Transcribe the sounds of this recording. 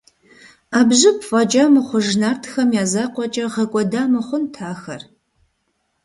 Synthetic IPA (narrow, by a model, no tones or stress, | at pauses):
aːbʑɨpʰfʼɐt͡ʃʼamɨχʷʊʒnaːrtʰxɐmjaːzaːqʷʼɔt͡ʃʼɐʁɐkʷʼɔdaːmɨχʷʊntʰaːxɐr